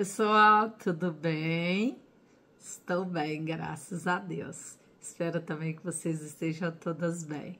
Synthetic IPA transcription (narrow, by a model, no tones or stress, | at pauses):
pesuawt̪ʰud̪ʊbẽj̃ | ɪst̪owbẽj̃ɡɾa̰sɐzad̪ḛws | ɪspɛɾʊt̪ɐ̃mbẽj̃kɪvosezɪst̪eʒɐ̃w̃t̪od̪ɐzbḛ̃j̃